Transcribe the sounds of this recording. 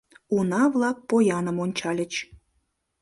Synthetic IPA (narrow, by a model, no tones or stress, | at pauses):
unɑvlˠɑk̚pojɑnəmonʲt͡ɕɑlʲə̆t͡ɕ